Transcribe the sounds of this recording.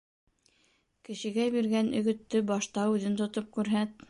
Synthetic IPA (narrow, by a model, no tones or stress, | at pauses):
kɘ̆ɕɘ̆ɡæbiɾɡænʔɵ̆ɡɵ̆t̪ːɘbɑʃt̪ɑʉðɘnt̪ŏt̪op̚kʉɾɦæt̪̚